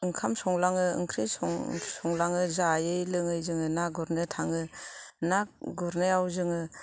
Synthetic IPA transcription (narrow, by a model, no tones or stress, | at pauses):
ɯŋkʰamsɔŋlaŋɯɯ̰ŋkʰɾisŋsɔŋlaŋɯzajɯjlɯŋɯjzɯŋɯnaɡɔɾnɯtʰaŋɯnak̚ɡɔɾnɯawzɯŋɯ